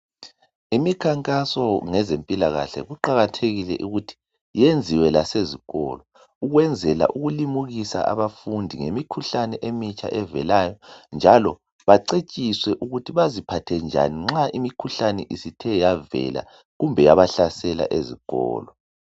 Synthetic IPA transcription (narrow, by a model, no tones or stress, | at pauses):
imikʰaŋkʼasɔŋɛzempʼilaɣa̰ɬɛ̰ɣuǃaɣatʰeɣilɛ̰ʔuɣutʰi̥ | jend͡zʱiwɛlaseziɣɔ̰lɔ | uɣwɛnd͡zʱɛla̰ʔuɣulimuɣisa̰ʔa̰βafundʱiŋemikʰuɬanɛʔemit͡ʃʼʰa̰ʔɛvɛ̰lajɔnd͡ʒʱalɔ | βaǀet͡ʃʼiswɛʔuɣutʰiβazipʰatʰɛnd͡ʒʱa̰niŋ͡ǁaʔimikʰuɬanɛʔisitʰɛjavɛ̰la̰ | ɣumbʱɛjaβaɬasɛla̰ʔeziɣɔ̰ːlɔ